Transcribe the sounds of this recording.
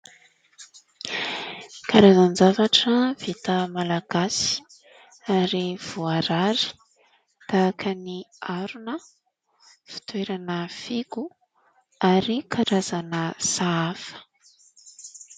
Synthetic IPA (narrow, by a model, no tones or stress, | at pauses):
kaɾazanzavaʈ͡ʂəv̥et̪əmalaɡ̥asi̥ | aɾiv̥uaɾaɾi̥ | t̪aːkʰəniaɾunə | fi̥t̪weɾanəfiɡu | aɾikʰaɾazanəsaafə̥